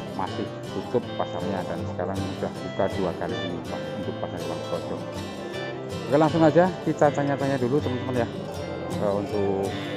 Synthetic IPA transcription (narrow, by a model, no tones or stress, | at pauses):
masɪh | t̪ut̪ʊpːasarɲadansə̥kaɾaŋudahd͡ʒut̪aduakaliinipa | ud̪ʊpːasaɾiwankɔ̥d͡ʒ̥ɔ | akalaŋsʊŋad͡ʒakit̪at͡ʃaɲat͡ʃaɲadulut̪əmənt̪əmənjah | asaunt̪ʊ